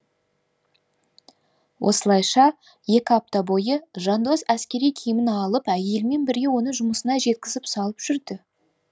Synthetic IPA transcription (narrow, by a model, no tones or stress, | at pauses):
wʔo̞̰səlˠɑjʃɑ | je̞kʲɪɑp̚t̪ɑbo̞jəʒɑnd̪osæskʲe̞ɾijkʲʰijɪmɪnɑlˠəpæje̞lme̞nbɪɾɡʲe̞wo̞nəʒʊməsənɑʒe̞t̪̚kʲɪzɪpsɑlˠəpʒ̥ʏɾd̪ɪ